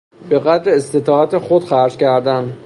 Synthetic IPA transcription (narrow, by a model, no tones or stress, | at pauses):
be̞ɣæd̪ɾeːst̪e̞t̪ʰɒːæt̪exod̪̥xæɾd͡ʒcʰæɾd̪æn